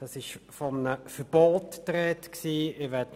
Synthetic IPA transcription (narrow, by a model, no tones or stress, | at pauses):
d̥ɑsɪʃfɔmənəfəb̥oːttɾɛtksiːɪʋɛt